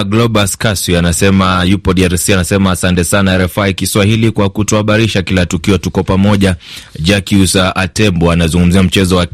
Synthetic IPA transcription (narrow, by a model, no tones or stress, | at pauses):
ɡlɔɓaskaswianasɛmajupɔɗiaɾsianasɛmaasantɛsanaɾɛfaikiswahilikwakutɔaɓaɾiʃakilatukiɔtukɔpamɔʄad͡ʒakiusaʔatɛmbɔanazuŋɡum̩ziam̩t͡ʃɛzɔwa